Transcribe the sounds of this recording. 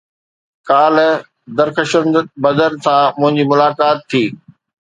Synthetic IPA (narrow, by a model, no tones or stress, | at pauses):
kaːl | d̪ɐɾxəʃənd̪bɐd̪əɾsãmʊ̃ɦɪ̃ɲd͡ʑimʊlaːkaːt̪ʰːiː